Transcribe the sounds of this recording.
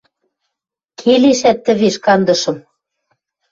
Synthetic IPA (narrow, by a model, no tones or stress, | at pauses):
kʰeleʃæt̪ːə̆βeʃkɑnd̪ɤ̆ʃɤ̆m